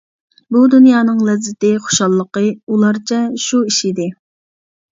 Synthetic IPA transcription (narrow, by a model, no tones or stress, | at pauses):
bud̪unjɑːnɨŋlɛzːɪt̪ɪχo̥ʃɑlˠːəqəulˠɑɾt͡ʃʰɛʃuiʃid̪ɪ